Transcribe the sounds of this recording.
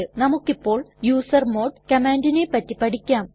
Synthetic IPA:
ɨnɐmukːipːo̞ːɭjuːsɐrmo̞ːɖkɐmaːndinepːɐtːipɐʈikʲːaːm

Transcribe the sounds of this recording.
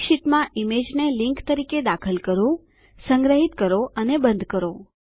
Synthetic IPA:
ʃiʈmãʔimed͡ʒnelɪ̃ŋkt̪əɾiked̪akʰəlkəɾũ | sə̃ŋɡɾəɦit̪kəɾoʔənebə̃nd̪ʱkəɾo

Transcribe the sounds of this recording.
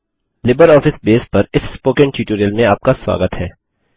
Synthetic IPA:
lɪbəɾɔːfɪsbeːspɐɾɪsːpoːkə̃nʈjuːʈuːɾiəlmẽaːp̚kaswa̰ːɡət̪ɦɛː

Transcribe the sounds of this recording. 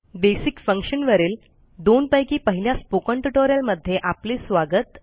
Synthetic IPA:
besikfəŋkɕənʋəɾeːl | d̪onpəjkiːpəɦiljaspokəɳʈuʈoɾjəlməd̪ʱːjeʔaplisʋaɡət̪

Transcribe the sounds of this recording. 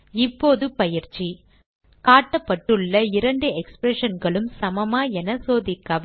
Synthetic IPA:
ɪpːoːðɯpɐjɪɾt͡ʃːi | kaːʈːɐpːɐʈːɯɭːɐɪɾɐɳɖɯɛkspɾɛʂɐnɡɐɭɯmsɐmɐmaːɛnɐsoːðɪkːɐːʋ

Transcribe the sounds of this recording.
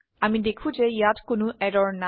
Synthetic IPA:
amidekʰũd͡ʒeijatkʊnʊɛɾɔɹna

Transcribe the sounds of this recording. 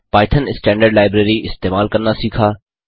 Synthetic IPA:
paːɪʈ̪ʰənɪsʈɛ̃ːɳɖəɾɖlaːɪbɾeːɾiɪst̪eːmaːlkɐɾnasiːkʰaː

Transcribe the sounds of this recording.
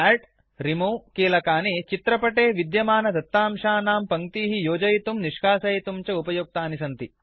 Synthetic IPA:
aːɾʈ | ɾimoːkiːlɐkaːnit͡ʃit̪ɾɐpɐʈeːʋid̪jɐmaːnɐd̪ɐt̪ːaːmʂaːnaːmpɐŋt̪iːɦijoːd͡ʒɐjt̪umniʂkaːsɐjt̪umt͡ʃɐupɐjok̚t̪aːnisɐnt̪i

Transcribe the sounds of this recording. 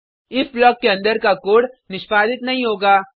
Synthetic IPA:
ɪsblɔːkːeɐ̃nd̪əɾkakoːɽnɪʃpaːd̪ɪt̪nɐɦĩɦoːɡaː

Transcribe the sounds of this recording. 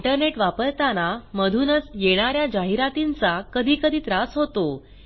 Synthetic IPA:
ɳʈəɾneʈʋapəɾt̪anaməd̪ʱuːnəsjeɽ̃aɾjad͡ʑaɦiɾat̪int͡sakəd̪ʱiːkəd̪ʱiːt̪ɾasɦot̪o

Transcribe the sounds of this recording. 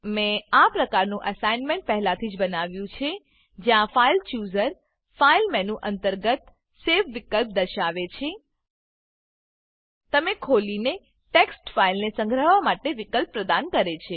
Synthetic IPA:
mẽapɾəkaɾnũʔəsainmẽɳʈ̚pɛɦɛlat̪ʰid͡ʒbənaʋjũt͡ʃʰe | d͡ʒjãfailt͡ʃjuzəɾ | failmɛnũʔənt̪əɾɡət̪ | sefʰʋikəlp̚d̪əɾʃaʋet͡ʃʰe | t̪əmekʰoline | ʈeksʈfailnesə̃ŋɡʱɾəʋamaʈeʋikəlppːɾəd̪ankəɾet͡ʃʰe

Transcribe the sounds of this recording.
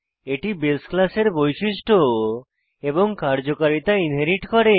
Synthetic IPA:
eʈibelsklaseɾbojʃiʃʈʰo | eboŋkaɾd͡ʑokaɾit̪ainɦeɾiʈkɔɾe

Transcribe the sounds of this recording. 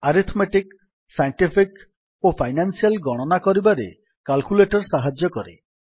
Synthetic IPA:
aɾit̪ʰmeʈik | sajɳʈipʰik | opʰajnansialɡɔɽ̃ɔnakɔɾibaɾḛ | kalkuleʈɔɾsaɦad͡ʒjɔkɔɾḛ

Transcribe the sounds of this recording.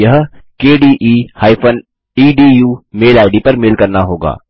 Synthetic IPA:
jɐɦkeːɖiːʔiːhaːɪpʰən | iːɖiːjuːmeːlaːɪɖipɐɾmeːlkɐɾnaɦoːɡa̰ː

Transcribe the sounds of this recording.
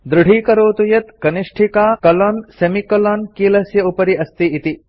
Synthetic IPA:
d̪ɾuɽ̤ʱiːkɐɾoːt̪ujɐt̪kɐniʂʈʰikaːkɐlɔːnsɐmikɐloːnkiːlɐsjɐupɐɾiɐst̪iːt̪i

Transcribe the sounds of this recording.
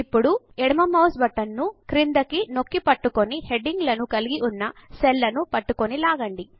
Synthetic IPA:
ipːuɽu | ɛɽɐmɐmɐwsbɐʈːɐnːukɾind̪ɐkino̞kːipɐʈːukonihe̞ɖiŋɡlɐnukɐliɡiʔunːɐselːɐnupɐʈːukonilaːɡɐɳɖi

